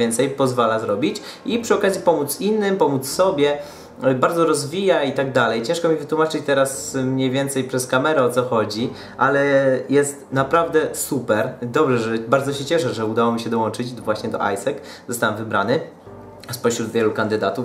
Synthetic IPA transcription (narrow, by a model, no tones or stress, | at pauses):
jɛnt̪sɛjpɔzvalazɾɔbʲit͡ɕ | ipʂɨɔkazʲjipɔmut̪sinːɘmpɔmut̪ssɔbʲjɛ | baɾd̪zɔɾɔzvʲijait̪aɡ̚d̪alɛjt͡ɕɛ̃ʂkɔmʲivɘt̪wumat͡ʂɘt͡ɕt̪ɛɾasmɲejvʲjɛnt̪sɛjpʂɛskamɛɾɛɔt̪sɔxɔd͡ʑi | ʔalɛjɛst̪napɾavd̪ɛsupɛɾd̪ɔbʐɛʐɛbaɾd̪zɔɕɛt͡ɕɛʂɛʐɛud̪awɔmʲiɕɛd̪ɔwɔnt͡ʂɘt͡ɕvwaɕɲɛd̪ɔ̰ʔa̰jsɛk | zɔst̪awɛmvɘbɾa̰nɘ | spɔɕɾud̪vʲjɛlukand̪ɘd̪at̪uf